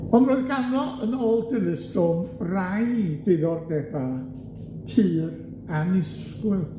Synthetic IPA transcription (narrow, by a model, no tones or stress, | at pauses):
ɔnroːɨðɡanɔʔənoːlˠdɪðɨstɔmrajd̥ɪðɔrdɛba | kʰɨːr | anɪs | kwɨ